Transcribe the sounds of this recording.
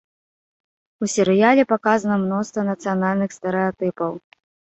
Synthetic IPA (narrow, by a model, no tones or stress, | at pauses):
usʲɛɾɨjalʲɛpakazɐnɐmnɔst̪vɐnɐt̪sɨjanalʲnɨxst̪ɛɾɨat̪ɨpɐw